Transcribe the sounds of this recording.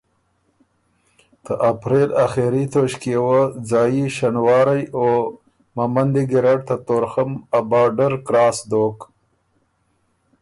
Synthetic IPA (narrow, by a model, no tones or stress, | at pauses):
t̪əʔapɾelaxeɾit̪oʃkiewəd͡zɑjiʃanwɑːɾajo | mamand̪iɡɪɾaɖt̪at̪oɾxamabɑːɖəɾkɾɑːsd̪ok